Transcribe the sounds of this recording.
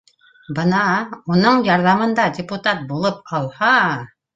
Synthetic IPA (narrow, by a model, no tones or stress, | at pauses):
bɤnɑunɤɴjɑɾðɑmɤ̆nd̪ɑdʲɪput̪at̪̚bulˠɤp̚ɑlˠhɑ